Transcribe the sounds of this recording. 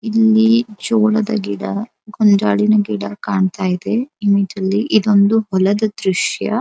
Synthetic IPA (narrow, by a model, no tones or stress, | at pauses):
ilːid͡ʒoːɭɐd̪ɐ̰ɡiɽɐ | ɡɔnd͡ʒaːɭinɐɡiɽɐkaːɳt̪aːjid̪eimiʈɐlːiʔid̪o̞nd̪uɦɔlɐd̪ɐd̪ɾuʂjɐ̰